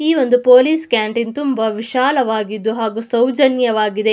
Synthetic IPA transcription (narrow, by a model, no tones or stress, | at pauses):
iːʋo̞nd̪upoːliːskjaːɳʈint̪umbɐʋiʃaːlɐʋaːɡid̪ːuɦaːɡusɐwd͡ʒɐnjɐʋaːɡid̪e̞